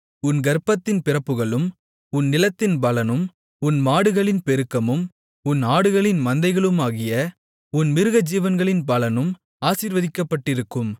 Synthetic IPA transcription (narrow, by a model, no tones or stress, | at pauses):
ʊnɡɐɾpːɐt̪ːɪnpɪrɐpːɯɣɐɭɯm | ʊnːɪlɐt̪ːɪnbɐlɐnɯm | ʊnmaːɽɯɣɐɭɪnpɛɾɯkːɐmɯm | ʊnaːɽɯɣɐɭɪnmɐnd̪ɐɪɣɐɭɯmaːɣɪjɐ | ʊnmɪɾɯɣɐd͡ʒiːʋɐnɡɐɭɪnbɐlɐnɯm | aːsiːɾʋɐðɪkːɐpːɐʈːɪɾɯkːɯm